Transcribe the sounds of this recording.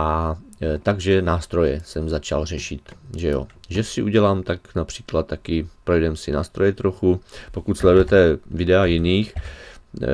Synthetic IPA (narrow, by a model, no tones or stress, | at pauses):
ʔat̪aɡʒɛnaːst̪ɾo̞jɛsɛmzat͡ʃa̰lrɛʃɪt̪ʒɛjo̰ʒɛsɪʔuɟɛlaːmt̪aknapr̝̥iːklat̪̚ːakɪpɾojɛdɛmsɪna̰ːst̪ɾo̞jɛt̪ɾoxupo̞kut̪slɛdujɛt̪ɛvɪdɛajɪniːx